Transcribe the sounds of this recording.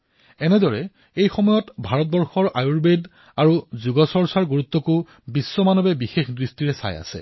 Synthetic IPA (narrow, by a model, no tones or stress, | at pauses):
ɛnɛdɔɹɛ | ejxɔmɔjɔtbʱaɹɔt̚bɔɹxɔɹʔajuɹbed | aɹuzuɡɔsɔɹsaɹɡuɹut̪ːɔkʊ | bisːɔmanɔbɛbixexdɹistiɹɛsa̰ja̰sɛ̰